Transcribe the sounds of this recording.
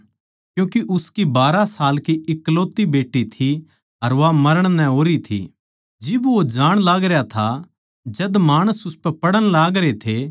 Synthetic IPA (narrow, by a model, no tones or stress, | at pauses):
kjũːkiʔʊskibaːɾasaːlkiɪkːloːt̪ibeːʈːit̪ʰi | ɐɾʋamɐɾəɽ̃nɛ̃oːɾit̪ʰḭ | d͡ʒɪbʋod͡ʒaːɽ̃laːɡɾejat̪ʰa | d͡ʒɐd̪maːɽ̃əsʊspɛpɐɽəɽ̃laːɡɾet̪ʰe